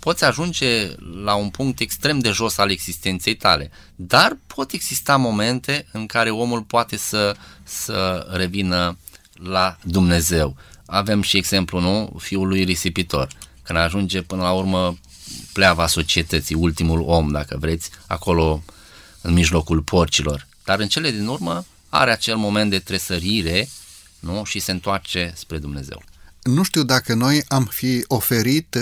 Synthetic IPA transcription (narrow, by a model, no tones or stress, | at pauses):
po̞t̪sʲaʒund͡ʒe̞launpuŋk̚t̪e̞kst̪ɾe̞md̪e̞ʒo̞saleɡz̥ist̪e̞nt̪se̞jt̪ale̞ | d̪arpʰo̞t̪e̞ɡz̥ist̪amo̞me̞nt̪e̞ɨŋkaɾe̞o̞mulpoat̪e̞səsəre̞vinə | lad̪umne̞ze̞w | ave̞mʃieɡz̥e̞mplunufiulujresipit̪o̞̰rkɨnd̪aʒund͡ʒe̞pɨnəlaurmə | pleavaso̞t͡ʃiet̪ət̪siult̪imulo̞md̪akəvɾe̞t̪sʲa̰ko̞lo̞ | ɨnmiʒlo̞kulpʰort͡ʃilo̞rd̪̥aɾɨnt͡ʃe̞le̞d̪inurmə | a̰ɾe̞at͡ʃe̞lmo̞me̞nt̪̚d̪et̪ɾe̞səɾiɾe̞ | nuʃise̞ɨnt̪oart͡ʃe̞spɾe̞d̪umne̞ze̞̰wnuʃt̪iwd̪akəno̞jamfio̞fe̞ɾit̪